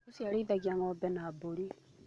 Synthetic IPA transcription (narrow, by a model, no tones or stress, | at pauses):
usiaɾiðaɡiaŋɔbɛnaːboɾi